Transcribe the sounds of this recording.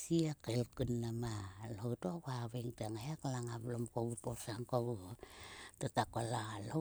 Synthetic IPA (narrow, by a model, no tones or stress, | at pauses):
siakelkunːamalowtokaβeŋtaŋajaklaŋablomkowuposaŋkow | tatakolalho